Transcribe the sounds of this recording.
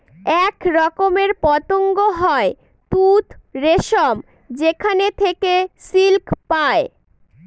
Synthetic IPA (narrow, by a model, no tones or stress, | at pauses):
ɛkɾɔkomeɾpɔt̪oŋɡoɦɔe | t̪ut̪ɾeʃom | d͡ʑekʰanet̪ʰekesilkpae